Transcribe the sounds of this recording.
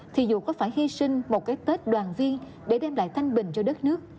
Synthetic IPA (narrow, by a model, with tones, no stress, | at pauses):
t̪ʰi˨˩zṵ˧˨˩kɔ˨˦faː˧˩jhi˧sï˧ŋ̟mo˨˩t̚kaː˨˦jt̪e˦˥t̚ɗwaː˨˩nvi˧ən | ɗe˧˩ɗɛ˧mla̰ː˧˨jt̪ʰa˧jŋ̟ɓï˨˩ŋ̟t͡ɕɔ˧ɗə˦˥t̚nɨ˦˥ək̚